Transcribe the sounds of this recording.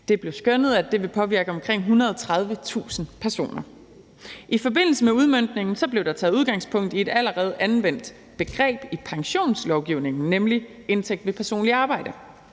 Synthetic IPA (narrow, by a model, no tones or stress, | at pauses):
d̥e̝b̥le̝ʊsɡ̥ønəð̞̩ˠæd̥e̝ʋe̝pʰɒ̽ʋiɐɡ̥əɒ̽mkʰʁeŋ̰ɦunʁɐð̞ˠt͡sʰʁɑ̈ð̞ˠʋət͡sʰṵːsn̩pʰæɐso̝̰ːnɐ | ʔifɒ̽be̝n̰l̩səmeuð̞ˠmøn̰d̥ne̝ŋn̩sɒ̽b̥le̝ʊd̥ɑ̈t͡sʰɛːðˠuðˠɡ̥ɑ̈ŋ̰spʰɔ̽ŋ̰d̥ie̝d̥æləʁɛːð̞̩ˠʔænʋen̰d̥ | b̥e̝ɡ̥ʁɛ̰ːb̥ipʰɑ̈ŋɕo̝̰ːnslɒʊɡ̥iʊne̝ŋn̩nemli | e̝nt͡sʰeɡ̥̚d̥ʋe̝pʰæɐso̝̰ːnliɑ̈ːb̥ɑ̈ɪ̰d̥ə